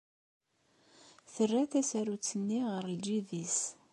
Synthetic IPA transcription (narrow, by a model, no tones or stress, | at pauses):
θərːæθæsæɾut͡sːənːiʁəɾld͡ʒiðis